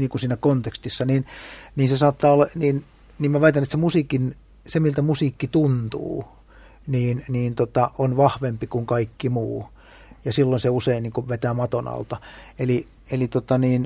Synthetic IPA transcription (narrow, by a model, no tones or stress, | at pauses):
niːŋkunsiːnækont̪ekst̪isːɑniːnniːnsesɑːt̪ːɑːolːɑniːn | niːmmæʋɑit̪ɑnːet̪semusiˑkin | semilt̪æmusiːkːit̪unt̪ṵː | niːnniːnt̪ot̪ɑʔonʋɑhʋempikuŋkɑikːimuː | jɑsilːoinseuseinniːŋkuʋet̪æːmɑt̪onɑ̰lt̪ɑeli | elit̪ot̪ɑniːn